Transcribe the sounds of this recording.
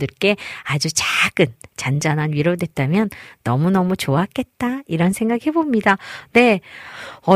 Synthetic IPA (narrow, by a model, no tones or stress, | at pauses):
dɯɭk͈e̞ad͡ʑut͡ɕaɡ̥ɯnt͡ɕand͡ʑananɥiɾodwe̞t̚t͈amjʌnːʌmunʌmut͡ɕoak͈e̞t̚t͈aiɾʌnsʰeŋɡaɡihe̞bomɲidane̞ | ʌ